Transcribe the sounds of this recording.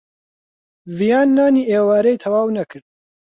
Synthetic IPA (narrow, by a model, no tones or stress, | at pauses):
vijaːnːaːniːʔeːwaːɾejt̪ʰɐwaːwnɐkʰɨɾd̪̥̚